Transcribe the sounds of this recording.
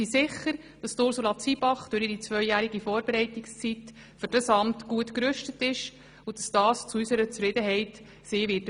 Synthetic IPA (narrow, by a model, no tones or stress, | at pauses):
isɪχːəɾ | d̥ɑstʊɾsulɑt͡sibɑχd̥ʊɾiɾit͡svœʏjæːɾiɡifɔːɾbeɾɛɪtikst͡sit | fʏɾd̥ɑsɑmtɡuətkɾʉʃtətɪʃ | udɑsd̥ɑːst͡suysəɾət͡sfrɾɪd̪əɦɛɪt | siːʋɪːt